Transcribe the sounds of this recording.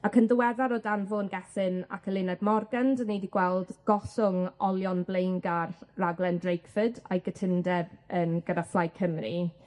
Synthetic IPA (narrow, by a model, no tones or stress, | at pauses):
akʰəndəwɛðaɾoːdanvoːnɡɛθɪna̰kʰəlˠɪnadmɔrɡandənejdiɡ̥wɛlˠdɡ̥ɔsʊŋɔlˠjɔnblejŋɡarraɡlˠɛndrejkʰfədajɡətʰɪndɛbənɡ̥ədaflˠajkʰəmri